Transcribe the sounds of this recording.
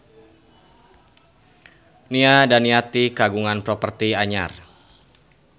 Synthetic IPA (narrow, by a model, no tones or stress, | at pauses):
niadaniat̪ikaɡuŋanpɾɔpərt̪iaɲa̰r